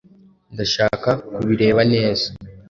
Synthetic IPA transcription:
ndaʃaːkakuβiɾe̞ːβane̞ːza

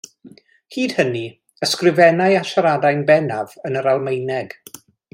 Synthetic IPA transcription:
hiːd̥həni | əskrɪvɛnajaʃaɾadajnbɛnavənəɾalˠmejnɛɡ̥

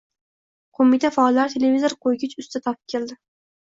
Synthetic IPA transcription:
qʰomit̪ʰafaːlˠːaɾt̪ʰe̞le̞vizoɾqʰojɡʲɪt͡ʃʊst̪at̪ʰɒpɨ̥p̚kʲʰe̞ld̪ɪ

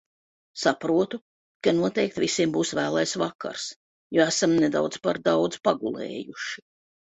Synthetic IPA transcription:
sapɾuɔt̪u | kanuɔt̪ɛjk̚t̪visiɛmbuːsvæːlˠajsvakːa̰ɾs | juæsamnɛd̪a̰wd̪zpaɾd̪awd̪zpaɡulˠɛ̰ːjuʃi

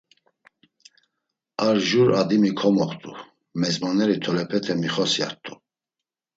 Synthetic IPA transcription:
aɾʒuɾad̪imikʰɔmɔχt̪ʼṵ | mɛzmɔnɛɾit̪ʰɔlɛpʰɛt̪ʰɛmiχɔsia̰ɾt̪ʰʼu

